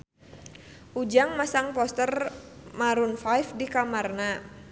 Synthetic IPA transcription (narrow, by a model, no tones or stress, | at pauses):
ʔud͡ʒaŋmasaŋpɔst̪ərmaɾunfajfdikamarna